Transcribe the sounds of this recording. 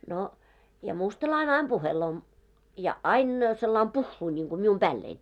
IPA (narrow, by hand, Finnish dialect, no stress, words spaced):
no jɑ mustɑlɑine ɑim b̥uheloː jɑ ɑin selːɑim puhːuː niŋɡ̊u mium b̥æːlːein